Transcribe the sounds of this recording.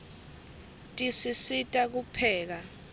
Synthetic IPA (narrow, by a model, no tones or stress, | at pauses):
tʼisisitʼak̬upʰɛːk̬a